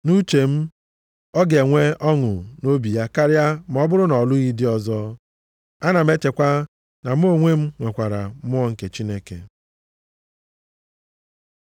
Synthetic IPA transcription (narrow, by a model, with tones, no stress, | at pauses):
nu˦t͡ʃe˨m̩˦ | ɔ˦ɡe˨ŋʷe˦ɔ˦ŋʊ̰˨no˦bi˨ja˦ka˦ɾja˦m˨ɔ˦bʊ˦ɾʊ˦nɔ˨lʊ˦ɣi˦dɪ˦ɔ˦zɔ˦ | a˦na˨m̩˦e˦te˨kʷa˦ | na˨m̩˦o˦ŋʷe˦m̩˦ŋʷe˨kʷa˨ɾa̰˨˦mʊ˦ɔ˦ŋ̩˨ke˨t͡ʃi˦ne˦kḛ˨